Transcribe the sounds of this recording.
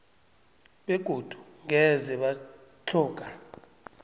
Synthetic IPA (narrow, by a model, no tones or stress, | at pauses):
ɓeɡ̥ʱod̥ʱu̥ŋʱɛzɛɓat͡ɬʰɔːkʼa